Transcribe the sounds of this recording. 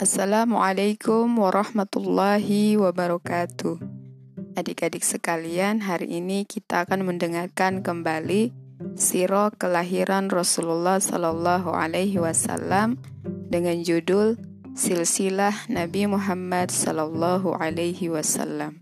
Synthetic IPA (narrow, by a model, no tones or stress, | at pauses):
ʔasːalamuʕalajkʊmwaɾʔɑhmat̪ulːɑɦiwabaɾɔkat̪uh | adikadɪk̚səkalianɦaɾḭʔinikit̪aːkanməndəŋarkankəmbali | siɾɔkəlaɦiɾʔanrɔsululːɑhsɔ̰lɔlːɑɦuʔa̰lajɦiwasa̰lːam | dəŋand͡ʒudʊl | silsilahnabimuɦamːadsɔ̰lɔlːɑɦṵʕalajɦiwasa̰lːam